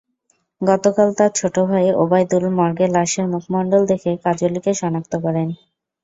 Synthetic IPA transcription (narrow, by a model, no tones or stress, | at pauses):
ɡɔt̪okalt̪aɾt͡ɕʰoʈobʱaeʔobajd̪ulmɔɾɡelaʃeɾmukʰmɔɳɖold̪ekʰekad͡ʑolikeʃɔnak̚t̪okɔɾen